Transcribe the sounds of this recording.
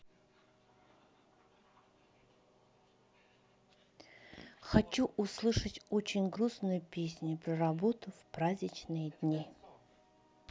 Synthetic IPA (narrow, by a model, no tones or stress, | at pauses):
xɐt͡ɕuʔʊslˠɨʂətʲot͡ɕɪnʲɡɾusnʊjʊpʲesʲnʲʊpɾəɾɐbot̪ʊfpɾazʲnʲɪt͡ɕnɨjəd̪ʲnʲi